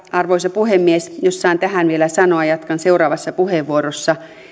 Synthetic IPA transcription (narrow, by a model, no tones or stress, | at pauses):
ɑrʋoisɑpuhemːiesjosːɑint̪æɦænʋielæsɑnoɑjɑt̪kɑnseurɑːʋɑsːɑpuheʋʋuoɾosːɑ